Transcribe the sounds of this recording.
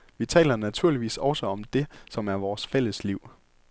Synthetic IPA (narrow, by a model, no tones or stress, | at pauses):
ʋit͡sʰɛ̰ːlɐnæt͡sʰuɐ̰liʋḭːsɒ̽səɒ̽md̥e̝sɒ̽mæɐʋɒːsfel̰əsliʊ̰